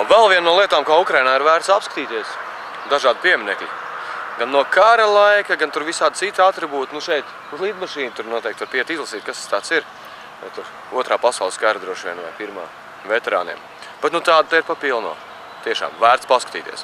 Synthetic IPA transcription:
vɛlˠviɛnːuɔlˠiɛt̪aːmkaːukɾajnaːiɾvæːɾt̪sapskḁt̪iːt̪iɛs | d̪aʒaːd̪̚piɛminɛkliɡanːuɔkʰaɾɐlˠajkaɡant̪uɾvisaːd̪sit̪ːat̪ɾibuːt̪nuʃɛjt̪ | uzlˠiːd̪maʃiːnt̪uɾnuɔt̪ɛːk̚t̪vaɾpiɛt̪izlˠɐsiːt̪kast̪st̪aːt̪siɾ | va̰jt̪uɾ | uɔt̪ɾaːpasawlˠskaːɾad̪ɾuɔʃʋiɛnva̰jpiɾma̰ː | vɛt̪ɛɾa̰ːnḭɛm | b̥ɛt̪nut̪aːd̪̚t̪aiɾpapilˠnṵɔ | t̪iɛʃa̰ːmvæːɾt̪spaskat̪ḭːt̪ḭɛs

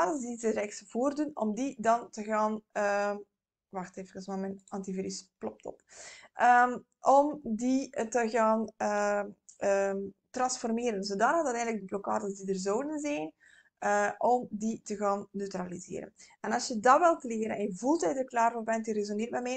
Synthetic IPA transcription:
aːdəndizəɾɛxsəv̥oːrdunɔ̰mdidɑntəɣaːnə | ʋɑxteːvəkəsmaːmɛnɑntiviɾysplɔp̚tɔ̰pʔəm | ʔɔmditəɣaːnəʔəmtrɑnsfɔrmeːɾənzoːdaːnadɑtɛːndləkɡ̚dəblɔka̰ːdənsdidərzɔwdənzɛjn | əʔɔmditəɣaːnːøɥtralizḛːɾə̰nɛnɑlˠsjədɑʋɪlˠtəleːɾənɛnjəvulˠtɛjdərklaːrvoːrbɛntjərezonɪːrbɛmɛː

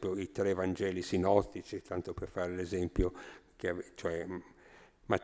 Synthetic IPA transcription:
pjoit̪ɾɛvand͡ʒɛːlisinɔt̪ːit͡ʃit̪ant̪operfaːɾelezɛmpjokeavt͡ʃoɛ | ma

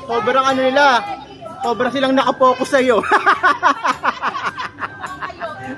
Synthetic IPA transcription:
so̞ːbɾɐŋɐnonɪla | so̞ːbɾɐsɪlaŋnɐkɐpo̞ːkosɐjo̞

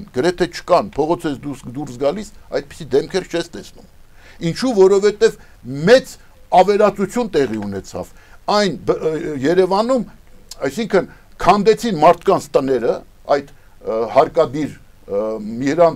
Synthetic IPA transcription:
nɡ̥əɾɛt̪ʰɛt͡ʃʰə̥kɑnpʰɔʁɔt͡sʰɛsd̪usd̪uɾsɡɑlisɑ̰jd̪̚pi̥sid̪ɛmkʰɛɾt͡ʃʰɛst̪ɛsnṵmint͡ʃʰuvɔɾɔvɛt̪ɛv | mɛt͡s | ɑvɛɾɑt͡sut͡sʰjunt̪ɛʁiunɛt͡sʰɑ̰vɑjnbjɛɾɛvɑnumɑjsiŋkʰən | kʰɑnd̪ɛt͡sʰinmɑɾt̪ʰkɑnt͡sʰt̪ənɛɾə | ɑjt̪ | hɑɾkɑd̪iɾ | mihəɾɑn

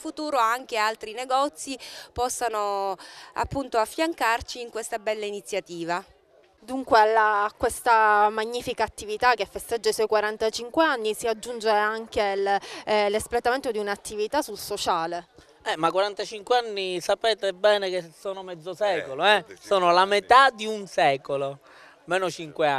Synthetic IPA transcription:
fut̪uːɾoaŋk̟ealt̪ɾineɡɔt̪sipɔsːano | a̰pːunt̪oafːjaŋkart͡ʃiːŋkwest̪abɛlːainit̪sːjat̪iːva | d̪uŋkwealːakwest̪amaɲːiːfikaːt̪ːivit̪ak̟ːefːest̪ed͡ʒːaiswɔjkwaɾant̪at͡ʃiŋkweanːisiad͡ʒːund͡ʒeaŋk̟ellesplet̪ament̪od̪iunat̪ːivit̪asulsot͡ʃaːle | ɛmakwaɾant̪at͡ʃiŋkweanːisapɛːt̪ebɛːnekesːoːnomɛd̪zːosɛːkoloɛsoːnolamet̪ad̪iunsɛːkolo | mɛːnot͡ʃiŋkwea

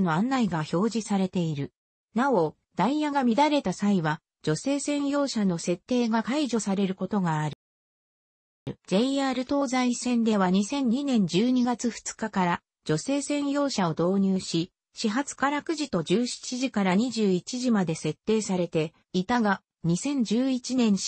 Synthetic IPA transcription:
no̞ãnːaiɡaço̞ːʑisaɾe̞t̪e̞iɾɯ̟ | nao̞ | d̪̥aijaɡamʲid̪aɾe̞t̪asaiβa | d͡ʑo̞se̞ːsẽ̞ɰ̃jo̞ːɕano̞se̞t̪ːe̞ːɡakaiʑo̞saɾe̞ɾɯ̟ko̞t̪o̞ɡaːɾɯ | d͡ʑe̞iaːɾɯ̟t̪o̞ːzaisẽ̞nd̪e̞βaɲ̟isẽ̞ɲ̟ɲinẽ̞ɲ̟d͡ʑɨːɲ̟iɡat͡sɨɸɯ̟̥t͡sɨ̥kakaɾa | d͡ʑo̞se̞ːsẽ̞ɰ̃jo̞ːɕao̞d̪o̞ːɲ̟ɨːɕi | ɕiɦat͡sɨ̥kaɾakɯ̟ʑit̪o̞d͡ʑɨːɕi̥t͡ɕiʑikaɾaɲ̟iʑɨːit͡ɕiʑimad̪e̞se̞t̪ːe̞ːsaɾe̞t̪e̞ | it̪aɡa | ɲ̟isẽ̞ɲ̟d͡ʑɨːit͡ɕinẽ̞ɰ̃

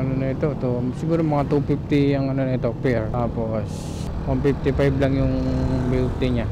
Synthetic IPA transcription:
anonait̪ot̪osiɡuɾamɐŋat̪upipt̪iaŋɐnonait̪opiɾapos | ɔmpip̚t̪ipajblaŋjʊŋbilp̚t̪iɲa

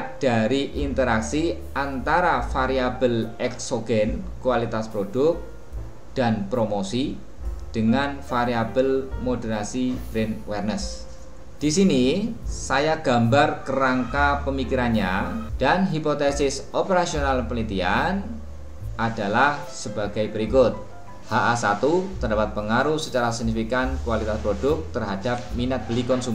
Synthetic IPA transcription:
d̥aɾiʔint̪əɾaksi | ʔant̪aɾafaɾiab̥əlɛksoɡɛnkuwalit̪aspɾod̥ʊk̪̚ | d̥anpɾomosi | d̥əŋanfaɾiabəlmodəɾasib̥ɾɛnwɛrnəs | d̥isinisajaɡ̥a̤mbarkəɾaŋkapəmikiɾanɲad̥anɦipot̪ɛsɪsopəɾasionalpəlit̪ian | ʔad̥a̤lah | səbaɡajbəɾikʊt̪̚ | haʔasat̪ut̪ərdapat̪̚pəŋaɾuhsət͡ʃaɾasiɡ̚nifikankuwalit̪aspɾod̥ʊk̚t̪ərɦad̥ap̚minat̪̚b̥əlikɔnsum

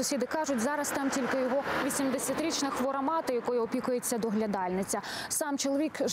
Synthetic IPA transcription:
ʊsʲid̪ɪkɑʒʊtʲzɑɾɐst̪ɑmtʲilʲkɪjɔɦɔʋʲisʲimd̪esʲɐt̪ɾʲit͡ʃnɐxʋɔɾɐmɑt̪ɪjɐkɔjʊɔpʲikʊjet͡sʲːɐd̪ɔɦlʲɐd̪ɑlʲnɪt͡sʲɐ | sɑmt͡ʃɔlˠɔʋʲikʒ

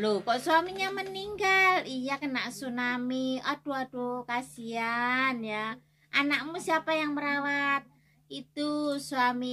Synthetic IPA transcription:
lokɔʔswamiɲaməniŋɡalijakənaʔsunamiad̥ɔad̥ɔkasianja | ʔanak̚musiapajaŋməɾawat̪̚ | it̪usuami

